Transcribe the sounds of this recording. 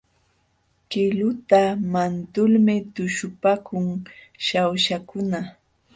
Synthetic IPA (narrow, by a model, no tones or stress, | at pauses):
kɪlʊt̪amant̪ʊlmɪt̪ʊʃʊpakʊŋ | ʃawʃakʊna